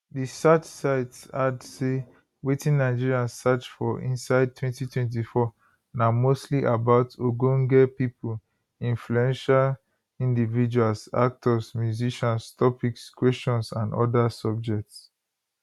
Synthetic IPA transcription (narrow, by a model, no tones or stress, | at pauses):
disat͡ʃsaɪtsadse | wetĩnːaɪd͡ʒiɹiãnsat͡ʃfɔʔḭ̃nsaɪd̚tʰwɛ̃ntitʰwɛ̃nt̬ifɔ | namostliʔabaʊtʰoɡõŋɡɛpipul | ĩnfluɛ̃nʃal | ĩndivid͡ʒualsa̰k̚tʰɔsmjuziʃɔ̃nstʰɔpikskwɛst͡ʃɔ̃nsãnɔ̰dasɔb̚d͡ʒɛk̚ts